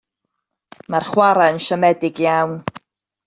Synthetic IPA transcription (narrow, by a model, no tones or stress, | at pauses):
marχwaɾaənʃəmɛdɪɡjawn